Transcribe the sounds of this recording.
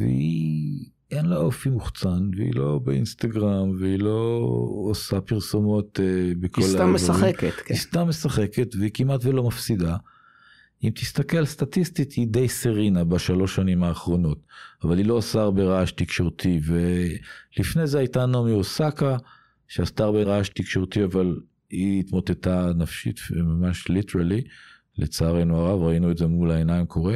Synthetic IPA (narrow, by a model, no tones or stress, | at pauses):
vḛi | enlaofimuχt͡sanveḭlo̞beḭnst̪aɡʁamveilo̞ː | sapiʁsomo̞t̪ebekʰoslaamːeaχeketkist̪amːe̞saχe̞ke̞tveikimatvelo̞mafsid̪a | imt̪ʰist̪akelalst̪atist̪it̪ʰid̪ejseʁinabaʃalo̞ʃanimaːχʁo̞no̞t̪avalilo̞asaʁbeʁaaʃt̪ikʃo̞ʁt̪ʰivelifnezeajtanomiosaka | ʃeast̪aʁbeʁaʃt̪ikʃoʁt̪iaval | iːt̪mo̞t̪e̞tanafʃḭt̪fmamaʃliteʁali | lʔet͡saːʁenuaʁavʁainuedze̞mulaenaimkʰo̞ʁe